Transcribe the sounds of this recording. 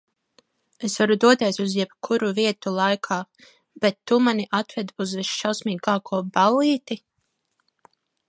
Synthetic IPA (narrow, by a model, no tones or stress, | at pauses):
esvaɾud̪uɔt̪eːsuzjɛb̥kʰuɾuviɛt̪ulˠajkʰaː | bɛt̪ːumaniʔat̪vɛd̪uzvisʃawsmiːɡaːkʰuɔbaliːt̪i